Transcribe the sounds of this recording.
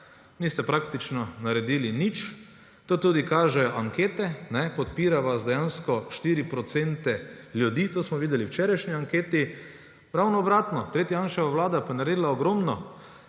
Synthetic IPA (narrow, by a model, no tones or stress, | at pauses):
nist̪ɛpɾakt̪it͡ʃnɔnaɾɛd̪iːlinit͡ʃ | t̪oːt̪uːd̪ikaːʒɛjɔʔaŋkeːt̪ɛnɛpɔt̪̚piːɾaʋasd̪ɛjanskɔʃt̪iːɾipɾɔt̪sent̪ɛljud̪iːt̪oːsmɔʋiːd̪ɛliwt͡ʃɛɾajʃniaŋkeːt̪i | ɾawnɔɔbɾaːt̪nɔt̪ɾeːt̪jajanʃɛʋaʋlaːd̪apanaɾeːd̪laɔɡɾomnɔ